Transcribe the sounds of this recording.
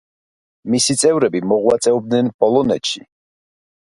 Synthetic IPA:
misit̪sʼɛvɾɛbimɔʁwat̪sʼɛɔb̚d̪nɛnpʼɔlˠɔnɛt̪ʃi

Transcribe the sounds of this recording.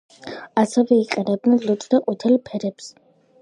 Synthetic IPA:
asɛvɛiqʼɛnɛb̚dnɛnlut̪ʼd̪aqʼut̪ʰɛlpʰɛɾɛps

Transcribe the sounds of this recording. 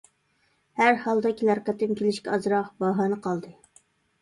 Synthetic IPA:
hæɾhɑlˠd̪ɑkʲʰilæɾqət̪ːɨmkʲʰelɪʃkʲɛɑzɾɑqbɑɦɑːnɨqʰɑlˠd̪ɨ

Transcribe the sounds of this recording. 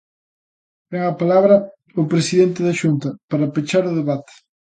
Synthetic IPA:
bɛŋɐpalaβɾɐ | ʊpɾesiðent̪ɪðɐʃunt̪ɐpaɾɐpet͡ʃaɾʊðeβat̪ɪ̥

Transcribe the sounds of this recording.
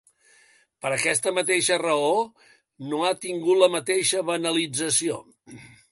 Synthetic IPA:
pəɾəkɛst̪əmət̪eʃərəo | noat̪iŋɡut̪ləmət̪eʃəβənəlid͡zəsio

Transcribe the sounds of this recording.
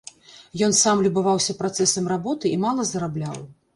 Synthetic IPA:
jɔnsamlʲubavawsʲɐpɾat̪sɛsɐmrabɔt̪ɨimalˠɐzɐɾablʲaw

